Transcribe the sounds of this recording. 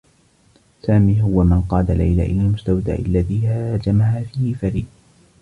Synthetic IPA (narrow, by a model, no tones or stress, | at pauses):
saːmiːɦʊwamɪnqɑːd̪ala̰jla̰ːʔɪ̰laːlmʊst̪awd̪a̰ːʔɪlːaðiːhad͡ʒamaɦaːfiːhɪfaɾiːd